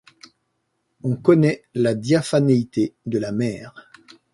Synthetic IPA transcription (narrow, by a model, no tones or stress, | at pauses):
ɔ̃kɔnɛlad̪jafanait̪ed̪əlamɛːʁ